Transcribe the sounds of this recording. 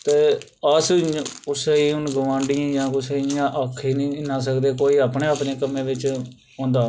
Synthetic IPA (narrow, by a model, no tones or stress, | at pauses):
t̪eː | əskʊseiːʊnɡʊʋãːɳɖɪjãːjãːkʊseːɪjãːʔəkʰːiːnĩːnãːs̬əkd̪eːkoːiːaːpɳeːaːpneːkəmẽːʋɪt͡ʃ | õːnd̪aː